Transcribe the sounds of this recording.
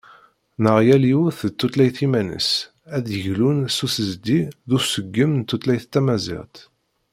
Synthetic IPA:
nəʁjæliuθt̪ːut̪læjθimænə̰s | æðjəʝlunsusəzd̪iðusəɡːəmnt̪ːut̪læjθt̪ːæmæzḭʁt̪

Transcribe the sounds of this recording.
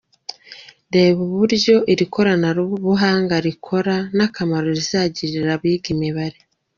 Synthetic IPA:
ɾe̞βuβuɾɟo̞ʔiɾikʰo̞ɾanaɾuβuɦaːŋɡaɾikʰo̞ɾanakamaɾo̞ɾizaːɟiɾiɾaβiɡimiβaɾe

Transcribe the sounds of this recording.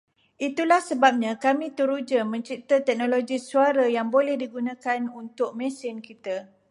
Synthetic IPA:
ʔit̪ulahsəbap̚ɲãkamĩt̪əɾud͡ʒəmə̃ɲt͡ʃit̪at̪ɛk̚nõloɡisuaɾajaŋbolɛhdiɡunãkanunt̪ʊk̚mɛ̃sɪnkit̪a

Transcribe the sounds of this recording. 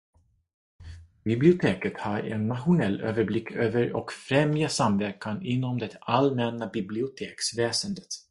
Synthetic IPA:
bɪblɪʊt̪ʰeːkət̪haɾɛ̰nːat̪ɧʊnɛlːøːvəɾblɪkʰːøːvəɾɔ̰kfɾɛmjasamvæɾkanɪnːɔmd̪ɛt̪almɛnːabɪblɪʊt̪ʰeːksvɛːsənd̪ət̪

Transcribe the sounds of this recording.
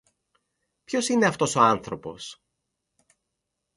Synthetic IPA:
pço̞sine̞ɐft̪o̞so̞ɐnθɾo̞po̞̰s

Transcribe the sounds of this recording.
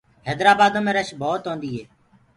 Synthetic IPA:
ɦɛːd̪ɾaːbaːd̪õːmẽːɾəʃboːt̪ɦõːnd̪iːɦeː

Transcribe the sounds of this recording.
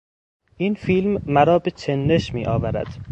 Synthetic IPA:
ʔinfiːlmːæɾɒːbet͡ʃʰenːeʃmḭːʔɒːvæɾæ̰d̪̥

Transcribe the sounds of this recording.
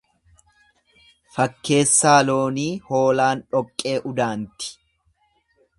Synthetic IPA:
fɐkːe̞ːsːaːlo̞ːniːho̞ːlaːnᶑɔkʼːe̞ːʔʊd̪aːnt̪ɪ̥

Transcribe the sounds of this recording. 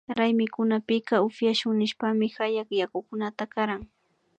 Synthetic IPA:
ɾajmɪkʊnapɪkɑʊfjaʃʊŋnɪʃpamɪxajakjakʊkʊnat̪akaɾaŋ

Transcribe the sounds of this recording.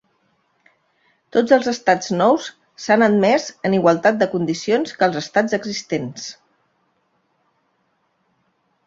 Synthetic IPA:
t̪od͡zəlˠzəst̪ad͡znɔws | sanət̪mɛzəniɣwəlˠt̪at̪̚d̪əkund̪isionskəlˠzəst̪ad͡zəɡzist̪ens

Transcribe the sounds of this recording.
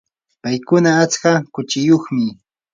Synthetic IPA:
pajkʊnaːt͡skakʊt͡ʃɪjoχmɪ

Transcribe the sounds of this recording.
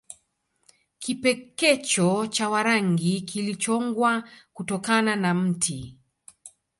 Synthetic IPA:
kipɛkɛt͡ʃɔt͡ʃawaɾaŋɡikilit͡ʃɔŋɡwakutɔkananam̩tʰi

